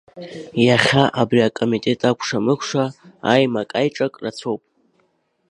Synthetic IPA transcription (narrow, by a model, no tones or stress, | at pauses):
jaχʲaʔabriakʼo̞mitʼe̞tʼakʷʰʂamɨkʷʰʂaa̰jmakʼajʈ͡ʂʼakʼrat͡sʰo̞wpʼ